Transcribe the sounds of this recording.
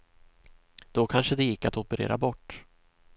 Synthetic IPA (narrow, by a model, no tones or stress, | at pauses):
d̪̥ɔkʰanʂəd̪ɛjɪkːat̪ɔpəɾḛːɾa̰bɔʈː